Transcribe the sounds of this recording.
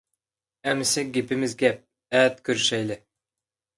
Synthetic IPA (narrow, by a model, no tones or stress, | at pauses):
æmsɛk̚ɡʲipɘ̆mɘzɡʲæp̚ | æt̪kʲɵɾʃæjlɘ